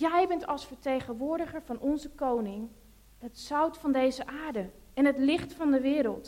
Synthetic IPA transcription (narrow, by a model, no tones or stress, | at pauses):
jɛjbɛntɑlˠsfəɹtejχənʋʊːɹdəχəɹvɑnʔɔnzəkownɪŋ | ətsœwtfɑndejzəʔaːɹdə | ɛnɦətlɪχtfɑndəʋɪːɾə̰lˠt